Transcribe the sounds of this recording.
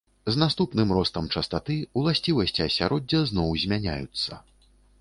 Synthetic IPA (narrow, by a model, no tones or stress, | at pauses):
znast̪upnɨmrɔst̪ɐmt͡ʂɐst̪at̪ɨwlˠasʲt͡sʲivɐsʲt͡sʲiɐsʲaɾʔɔd͡zʲːɐznɔwzʲmʲanʲa̰jut̪sːɐ̰